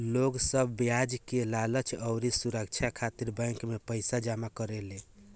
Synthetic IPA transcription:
loɡsəbːjad͡ʒkelalət͡ʃʰəʊɾisuɾək̚t͡ʃʰakʰat̪iɾbə̃jŋkmepəɪsad͡ʒamakəɾele

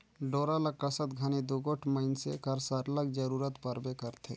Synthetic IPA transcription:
ɖoːɾaləkːɾəsət̪ɡʱanid̪uɡoʈʰməɪnsekəɾsəɾləɡd͡ʒəɾuːɾət̪pəɾbekəɾt̪ʰḛ

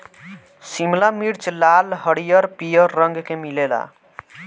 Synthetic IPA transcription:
simlamiɾt͡ʃlalɦʌɽijʌɾpijʌɾːʌŋɡkemilela̰

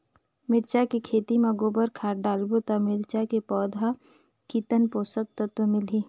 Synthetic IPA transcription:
mɪɾt͡ʃakekʰeːt̪iməɡoːbəɾkʰaːɾɖaːlbot̪amɪɾt͡ʃakepɔːd̪ʱa | kit̪ənpoːsək̚t̪ət̪wəmɪlɦiː

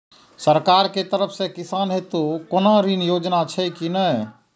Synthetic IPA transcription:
səɾkaːɾket̪əɾəpʰsekɪsaːnɦet̪okonaɾinjoːd͡ʒnat͡ʃʰɛkinə

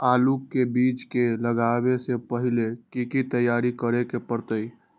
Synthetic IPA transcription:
aːlukːebit͡ʃkeləɡabesepəɦilekikit̪əjːaɾikəɾekepəɾt̪əi

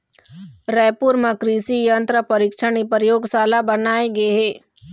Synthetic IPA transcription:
ɾɛːpuːɾməkɾiːsijənt̪ɾəpɐɾɪkʃəɳipəɾjoːɡsaːlabɐnaːeɡɐeɦeː

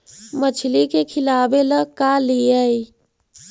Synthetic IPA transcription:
mət͡ʃʰilikekʰilabeləkalijəj

